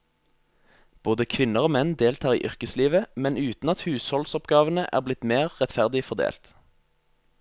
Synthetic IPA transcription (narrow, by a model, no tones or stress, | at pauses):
b̥oːd̪əkʰʋɪnəʁoːmɛnd̪eːlt̪ʰɑːʁḭːʔʏʁkəsliːʋəmɛnʉːt̪n̩ɑt̪hʉːshɔlsɔpɡɑːʋənəʔæ̰ːʁblɪt̪meːʁʁɛt̪fæʁd̪ɪfɔʁd̪ḛːlt̪